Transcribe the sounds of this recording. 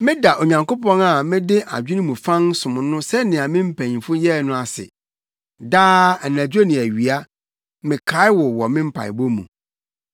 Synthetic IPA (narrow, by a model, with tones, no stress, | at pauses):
mɪ̃˦da˨ʔo˨ɲã˨ŋko˦pɔ̃˦na˨mɪ̃˦dɪ˦ʔa̰˨d͡ʑᶣi˦nĩ˦mũ˨fã˦nsʊ̃˨m˨nʊ̃˦sɛ˦nɪ̃˨a˨mɪ̃˦m̩˦pʰæ̃˨ɲfʊ˦jɛ˦˨nʊ̃˦a˨sɪ̰˨ | daː˦ɛ˨n˨æ̃˨d͡ʑᶣo˦nɪ̃˨æ˨ɥi˨a˦ | mɪ̃˨kʰa˨˦ɪ˦wɔ˨wɔ˨mɪ̃˦m̩˦pʰa̰˨ɪ̰˨bo˦mṵ̃˨